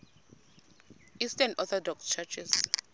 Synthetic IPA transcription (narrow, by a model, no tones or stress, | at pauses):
istanɔθɔdɔkst͡ʃʰat͡ʃʰis